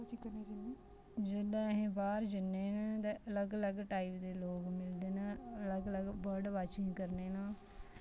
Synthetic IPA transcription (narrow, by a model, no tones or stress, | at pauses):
t͡ʃikəɾneːd͡ʒəneː | d͡ʒɪd̪ãːɦẽːbaːɾd͡ʒənːeːnãːt̪eːʔələɡələɡʈaːipd̪eːloːɡmɪld̪eːnãːələɡələɡbəɖʋaːt͡ʃɪ̃ŋɡkəɾneːnãː